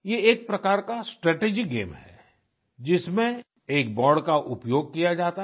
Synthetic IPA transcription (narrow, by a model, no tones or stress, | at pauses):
jeeːk̚pɾɐkaːɾkasʈɾɛːʈeːd͡ʒikɡḛːmɦɛː | d͡ʒɪsmẽ | eːk̚bɔːɾɖkaʔʊpjoːɡ̚kijad͡ʒaːt̪a